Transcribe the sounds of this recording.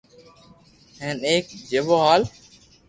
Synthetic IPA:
ɦẽːneːk̚d͡ʒeːʋoːɦaːl

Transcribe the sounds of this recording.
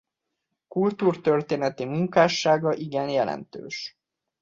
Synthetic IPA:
kult̪uːrt̪ørt̪eːnɛt̪imuŋkaːʃaːɡɒʔiɡɛnjɛlɛ̰nt̪ø̰ːʃ

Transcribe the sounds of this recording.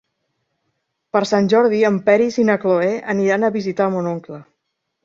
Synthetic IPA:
pəɾsanʲʒɔɾðiəmpɛɾizinəkloeʔəniɾanəβizit̪amonoŋklə

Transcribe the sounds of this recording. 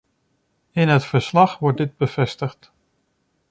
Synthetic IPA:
ɪnɦətfəɹslɑχʋɔɹt̚dɪd̚bəvɛstəxt

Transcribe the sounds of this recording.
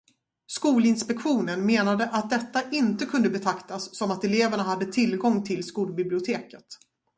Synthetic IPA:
skuːlɪnspɛkɧuːnənmeːnad̪əʔat̪̚d̪ɛt̪ːaʔɪnt̪əkʰɵnd̪əbɛt̪ʰakt̪asːɔmat̪ɛleːvæɳaɦad̪ːət̪ʰɪlɡɔŋːt̪ʰɪlskuːlbɪblɪʊt̪ʰeːkət̪

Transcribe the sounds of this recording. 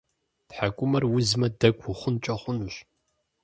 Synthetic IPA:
tħakʷʼʊmɐrwʊzmɐdɐkʷʰʊχʷʊnt͡ʃʼɐχʷʊnuɕ

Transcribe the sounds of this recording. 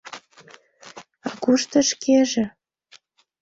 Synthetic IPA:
ɑɣuʃt̪ɤ̆ʃkʰeʒĕ

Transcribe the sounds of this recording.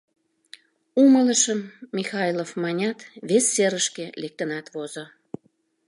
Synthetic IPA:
umələʃəmːixɑjlofmɑnʲɑt̪βesːeɾəʃkelek̚t̪ənɑt̪βozo

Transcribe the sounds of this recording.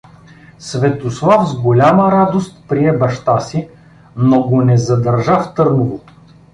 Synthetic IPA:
svɛt̪oslˠafzɡolʲaməɾad̪ost̪pɾiɛbɐʃt̪asi | noɡonɛzɐd̪ɐɾʒaft̪ɤɾnovo

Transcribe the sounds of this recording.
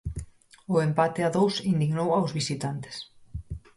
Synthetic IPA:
ʊempat̪eaðowsind̪iɣnowawzβisit̪ant̪e̥s

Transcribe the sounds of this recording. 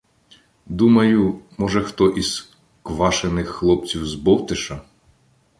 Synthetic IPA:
d̪umɐjʊmɔʒɛxt̪ɔʔis | kʋɑʃenɪxːlˠɔpt͡sʲiwzbɔwt̪ɪʃɐ

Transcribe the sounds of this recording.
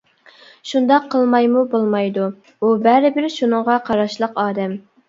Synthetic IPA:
ʃund̪ɑqʰːəlˠmɑjmubolˠmɑjd̪u | ubæɾɪbɪɾʃunɨŋʁɑqʰɑɾɑʃlˠəqɑːd̪ɛm

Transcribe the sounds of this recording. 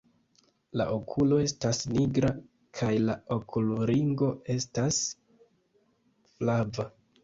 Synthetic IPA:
la̰ʔo̞kʰulo̞e̞stasniɡɾa | kʰajlaokʰuluɾiŋɡo̞e̞stas | flava

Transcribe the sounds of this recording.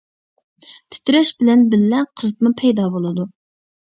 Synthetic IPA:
t̪ʰɪ̥t̪ɪɾɛʃbɪlɛnbɪlːɛqʰəzɨt̪mʊpʰɛjd̪ɑbolˠɨd̪u

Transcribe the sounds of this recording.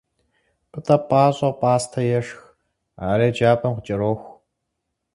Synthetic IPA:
pɨtʼɐpʼaːɕʼɐʁpʼaːstʰɐjɛʂx | aːɾeːd͡ʒaːpʼɐmqʊt͡ʃʼɐɾoːxʷ

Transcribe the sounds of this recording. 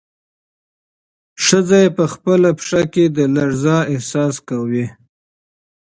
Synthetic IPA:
ʂəzajepəxpəlapʂaked̪əlaɾzɑɪhsɑskawi

